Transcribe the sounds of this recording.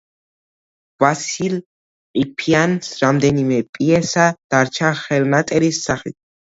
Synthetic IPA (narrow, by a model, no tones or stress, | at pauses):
vasil | ipʰiansɾamd̪ɛnimɛpʼiɛsad̪̥aɾt͡ʃʰaχɛlnat̪ʼɛɾisːaχḭt̪ʰ